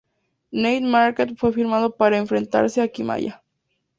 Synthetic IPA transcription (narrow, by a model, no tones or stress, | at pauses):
nejd̪maɾket̪fwe̞fiɾmað̞o̞paɾae̞ɱfɾe̞nt̪a̰ɾse̞akima̰ja̰